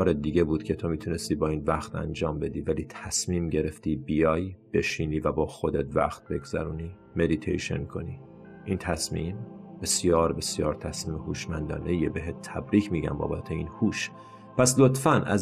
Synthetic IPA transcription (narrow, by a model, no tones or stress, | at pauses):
ɒːɾed̪iːɟe̞buːd̪̥cʲʰe̞t̪ʰo̞miːt̪ʰune̞st̪iːbɒːiːnvæxt̪æ̰nd͡ʒɒːmbe̞d̪iːvæliːt̪ʰæsmiːmɟe̞ɾe̞ft̪iːbijɒːjb̥e̞ʃiːniːvæbɒːxo̞d̪et̪væ̰xt̪̚be̞ɡz̥æ̰ɾuːniː | me̞d̪it̪ʰḛjʃe̞̰nkʰo̞̰niː | ʔint̪ʰæsmiːmb̥e̞sjɒːɾbe̞sjɒːɾt̪ʰæsmiːmehuːʃmænd̪ɒ̰ːne̞jebe̞ɦet̪t̪ʰːæbɾiːcʰmiːɟæ̰mbɒ̰ːbæt̪ʰeiːnhuːʃ | pʰæslo̞t̪fænæ̰z